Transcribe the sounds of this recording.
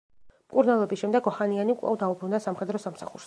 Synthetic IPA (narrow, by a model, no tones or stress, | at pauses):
mkʼuɾnalˠɔbisʃɛmd̪ɛɡɔhanianikʼlˠa̰vd̪aubɾund̪asamχɛd̪ɾɔsamsa̰χṵɾs